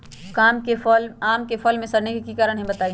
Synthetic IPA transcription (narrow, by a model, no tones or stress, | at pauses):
kaːmkefɔlaːmkefʰɔlmẽsɐɾnekikikaːɾəɽɦẽbɐt̪aːi